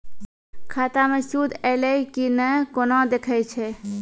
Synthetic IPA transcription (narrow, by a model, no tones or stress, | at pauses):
kʰaːt̪amẽsud̪ɛleikinəkonãd̪ekʰət͡ʃʰe